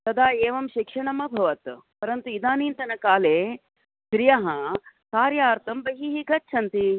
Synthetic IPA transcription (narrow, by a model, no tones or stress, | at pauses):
t̪ɐd̪aːeːʋɐmʃikʂɐɳɐmɐbʱɐʋɐt̪pɐɾɐnt̪uid̪aːniːnt̪ɐnɐkaːleː | ʃɾijɐɦɐkaːɾjaːɾt̪ɐmbɐɦiɦiɡɐt̚t͡ʃʰɐnt̪i